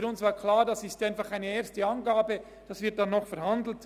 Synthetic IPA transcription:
ɾʊnsvaːkʰlaːʁdasɪstaɪnfɑχaɪnəeːɐstəɑnɡaːbə | d̥asvɪɐt̚d̥anːɔχfɛɐhandl̩t

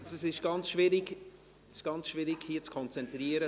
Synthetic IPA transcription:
ɛsɪʃɡ̥ɑnt͡sʃvɪɾiɡ | ʃɡ̥ɑnt͡sʃvɪɾiɡ̥hiːət͡skʰɔnt͡sɛntriːəɾə

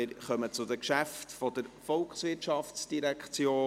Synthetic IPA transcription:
ɪɾχœmət͡sʊdəkʃæftfɔd̥əɾfɔlksʋɪtʃɑftt͡sd̥iɾɛkχt͡sjoː

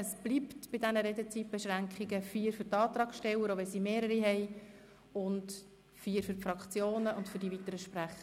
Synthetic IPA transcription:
əsb̥liptb̥ɪdɛnəɾedət͡sit̚b̥ɛʃʁæŋkχiɡəfiːɾfʏɾtɑːtɾɑːkʃtɛwəɾoʋɛlsimeːɾəɾiɦɛj | ʊnt | fiːəɾfʏɾfɾɑkʰt͡sjoːnəʊntfʏɾdivitəɾəʃpræχə

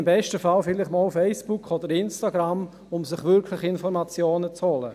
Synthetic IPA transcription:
mbɛʃtəfalfɪlɪχmɔlfɛɪsb̥ukʰɔdəɾɪnstaɡɾam | ʊmsɪχʋʏɾkʰlɪχɪnfɔɾmat͡sjoːnət͡shɔlə̰

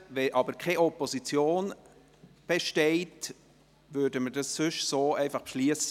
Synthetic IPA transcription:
vɛʔɑbəɾkʰɛɔposit͡sjoːn | b̥ɛʃtɛɪt | vøːdəmədɑssʏʃsoːɛɪfɑχpʃliəsə

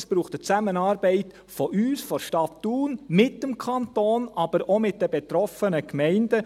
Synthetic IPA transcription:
sb̥ɾuːχt̪ət͡sæmənɑːɾbɛɪt | fɔʔyːsfɔɾʃtɑtːuːnmɪtːəmkʰɑnt̪oːnɑb̥əɾɔmɪt̚d̥ɛbɛt̪ɾɔfənəkmɛɪndə

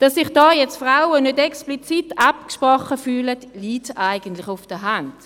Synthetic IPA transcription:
d̥ɑsːɪχd̥ɑːjɛt͡stfrawənødɛksplit͡sitɑpkʃpʁɔχəfyːlətliːtaɪɡ̥əntlɪχʊfd̥əɦand̥

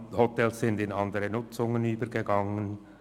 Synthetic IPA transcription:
hɔtɛlssɪndɪnɑndəʁənʊt͡sʊŋənyːbəɾɡəɡɑŋən

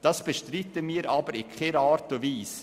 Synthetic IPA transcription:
d̥ɑsb̥əʃtɾitːəmiːɾʔɑːbəɾɪkʰχeɾɑːɾtʊviːs

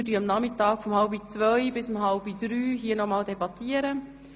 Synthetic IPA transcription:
dyɑmnɑmɪtɑːkfɔmhɑlbit͡sʋœjbɪsʊmɦɑlbid̥ɾyːɦiːənɔmɑːldebɑtiəɾə

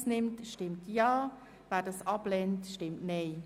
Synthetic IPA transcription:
snɪmtʃtɪmtjɑː | væːdɑsɑblɛntʃtɪmtneɪ

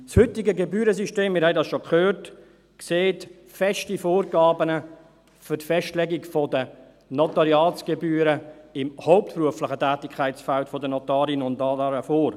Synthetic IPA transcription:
shʏtɪɡəɡebyːɾəsyʃteːmɪɾhɛɪdɑsʃokʰχøːrt | kseːt | fɛʃtifoːrɡɑːbənə | fʏtfɛʃtlɛɡikfɔdə | nɔtɑɾjɑːt͡sɡ̥ebyːɾəɪmhoʊp̚tpɾuəflɪχətæːtɪkʰaɪt͡sfæltfɔdənɔtɑːɾinʊnɑdɑɾəfoːɾ

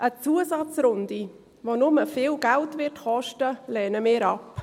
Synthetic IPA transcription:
ʔət͡suəsɑt͡sɾʊndi | vonʊməfɪːlɡæltvɪtχɔʃtəlɛːnəmɪːɾɑp

